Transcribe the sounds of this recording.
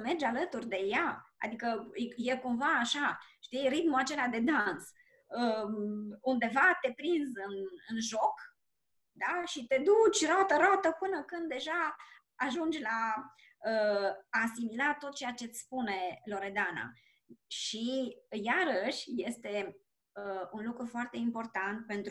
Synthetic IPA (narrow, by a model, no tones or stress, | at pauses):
me̞rd͡ʒalət̪urʲd̪e̞jaa̰d̪ikəjekumvaːʃaʃt̪ijrit̪muat͡ʃe̞lad̪e̞d̪ans | ə | und̪e̞vat̪e̞pɾinzɨnɨnʒo̞k | d̪aʃit̪e̞d̪ut͡ʃʲrat̪əɾat̪əpɨnəkɨnd̪ːe̞ʒaː | ʒund͡ʒla | əː | similat̪o̞t̪̚t͡ʃe̞jat͡ʃe̞t̪sʲspune̞lo̞ɾe̞d̪ana̰ | ʃijaɾəʃʲje̞st̪e̞ | əunlukɾufoart̪e̞impo̞rt̪ant̪̚pe̞nt̪ɾ